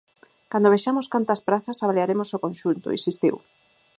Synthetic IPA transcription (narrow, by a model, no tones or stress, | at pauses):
kand̪oβeʃamoskant̪ɐspɾaθɐsaβaleaɾemosokonʃunt̪o̰ḭsist̪ḭw